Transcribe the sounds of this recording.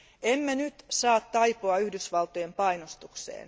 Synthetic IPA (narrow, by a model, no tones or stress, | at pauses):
emːenyt̪sɑːt̪tɑipoɑyhdysʋɑlt̪ojempɑinost̪uksḛːn